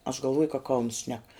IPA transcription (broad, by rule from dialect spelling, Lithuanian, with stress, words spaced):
ɐʃ ɡɐlˠˈʋoːjʊ kɐ kɐʊns ʃʲnʲɛk